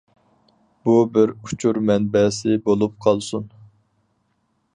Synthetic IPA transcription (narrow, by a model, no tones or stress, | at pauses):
b̥ubɪɾut͡ʃʰuɾmɛnbɛsɪbolˠup̚qʰɑlˠsun